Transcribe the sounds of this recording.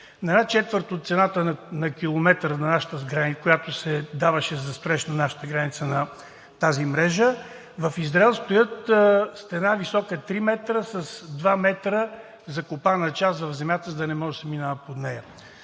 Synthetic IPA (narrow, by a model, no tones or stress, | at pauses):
nɐɛnat͡ʃɛt̪vəɾt̪ot̪sɛnat̪ənɐkʲilˠomɛt̪ɾənɐnaʃə̥t̪əzɡɾanikojat̪ʊsɛd̪avəʃɛzɐspɾɛʃnɐnaʃə̥t̪əɡɾanit̪sənɐ | t̪azimɾɛʒə | vɐfizɾaɛlˠst̪ojɤt̪st̪ɛnavisɔkət̪ɾimɛt̪ɾəsɐsd̪vamɛt̪ɾə | zɐkopanɐt͡ʃast̪vɐvzɛmjat̪əzɐd̪ɐnɛmɔʒɛsɛminavəpod̪nɛjə